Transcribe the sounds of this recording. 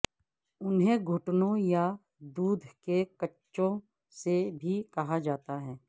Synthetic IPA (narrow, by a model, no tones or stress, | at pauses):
ʊnɦẽɡʱʊʈnõja | d̪uːd̪ʱkekɐt͡ʃːʃõ | sebʱikɐɦad͡ʒaːt̪aɦɛː